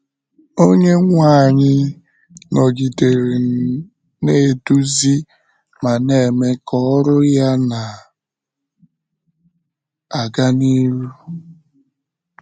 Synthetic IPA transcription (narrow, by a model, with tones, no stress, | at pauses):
o˦ɲe˦ŋʷa˦˨ɲɪ˦ | nɔ˨ɡi˨te˨ɾe˨ | ne˦˨du˦zi˦ | ma˨ne˨me˦kɔ˦ɾʊ˦ja˦na˨ | a˨ɡa˦ni˦ɾu˦u˦